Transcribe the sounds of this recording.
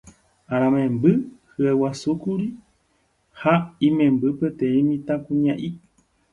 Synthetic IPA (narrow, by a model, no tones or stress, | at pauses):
ãɾ̃ãmẽmbɨhɨewasukuɾi | haĩmẽmbɨpet̪ẽĩmĩt̪ãkũɲãʔi